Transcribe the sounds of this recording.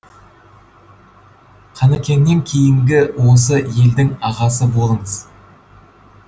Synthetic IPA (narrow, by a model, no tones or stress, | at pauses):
qʰɑnækʲe̞nːe̞ŋkʲʰe̞jɪŋɡʲɪwo̞s̬əje̞ld̪ɪŋɑʁɑs̬əbo̞lˠəɴəz